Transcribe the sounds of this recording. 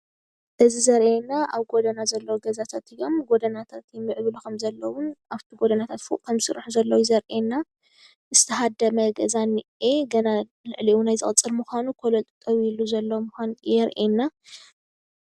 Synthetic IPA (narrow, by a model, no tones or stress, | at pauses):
ʔɨzizɐɾʔenːaʔaβɡo̞d̪ɐnazɐlːɐwoɡɐzat̪ʰat̪ijo̞mɡod̪ɐnat̪ʰat̪jɛmːɨʕɨβlukʰɐmzɐlːɐwʊnʔaβt̪ʰiɡod̪ɐnat̪ʰat̪fṵʔkʰɐmsɨɾħuzɐlːɐwuzɐɾʔenːa | ʔɨz̥ɨt̪ʰɐɦad̪ɐmɐɡɐzanɨeɡɐna | lɨʕliʔunajzɨχʼɨt͡sʼːɨlmuxʷanukʰolɐlt̪ʼu̥t̪ʼɐwiluzɐlːɐwmɨxʷanjɛɾʔenːa